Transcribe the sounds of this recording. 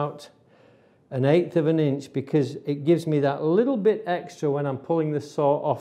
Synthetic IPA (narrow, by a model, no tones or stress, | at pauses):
ʊt | ɨ̃neɪθʌvɨ̃nɪ̃nt͡ʃb̥ɨkʰʌzɪʔ̚ɡ̥ɪvzmiðəʔlɪɾl̩ˠbɪɾɛkstɹ̥əwə̃ñãɪ̃mpʰʊlˠɪ̃ŋðɨsɔʔɔ